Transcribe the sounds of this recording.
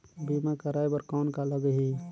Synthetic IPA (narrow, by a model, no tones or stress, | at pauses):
bimakəɾajbəɾkankaləɡɦi